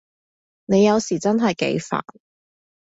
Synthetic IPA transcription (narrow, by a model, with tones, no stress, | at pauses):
ne˨˧jɐ˨˧wsiː˨˩t͡sɐ˥nɦɐ˨jkḛ˨˧˥jfa̰ː˨˩n